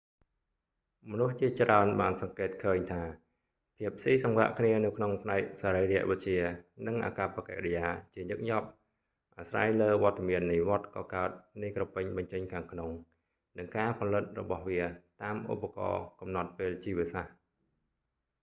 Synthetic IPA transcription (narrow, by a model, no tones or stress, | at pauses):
mɔnuht͡ɕiət͡ɕraənɓaːnsɑŋkeːt̪̚kʰəːɲt̪ʰaː | pʰiəp̚ʰːsiːsɑŋʋa̰ʔkʰniənɨwkʰnoŋpʰnaɛk̚saːɾəjrɛ̆əʔʋɨc̪̚t͡ɕiənɨŋʔa̰ːkapːakɛ̰ʔrɛjaːt͡ɕiəɲɨk̚ɲɑp̚ | ʔaːsra̰ːjləːʋŏət̪ːamiənːiʋŏət̪̚kɑːkaət̪̚nɨjkropːɨɲɓɑɲt͡ɕəɲkʰaːŋkʰnoŋ | nɨŋkaːpʰɑlɨt̪̚rɔ̰ɓɑhʋiət̪aːmʔṵpːakɑ̰ːkɑmnɑt̪̚peːlt͡ɕiːʋiəsah